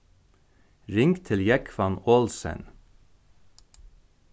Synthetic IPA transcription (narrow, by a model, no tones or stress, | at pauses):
ɾɪŋkt̪ʰɪljækfɑnoːlsə̰n